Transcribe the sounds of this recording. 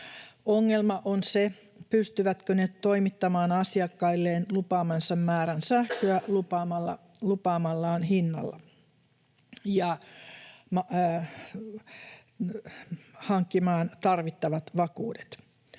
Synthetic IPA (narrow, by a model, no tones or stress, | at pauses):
oŋːelmɑʔonse | pyst̪yʋæt̪kønet̪t̪oimit̪ːɑmɑːnɑsiɑkːɑilːeːnlupɑːmɑnsɑmːæːɾænsæhkøælupɑmɑlːɑ | lupɑːmɑlːɑːnɦinːɑ̰lːɑ̰ | jɑ | mɑ | hɑŋkːimɑːnt̪ɑrʋit̪ːɑʋɑt̪ʋɑkuːde̥t̪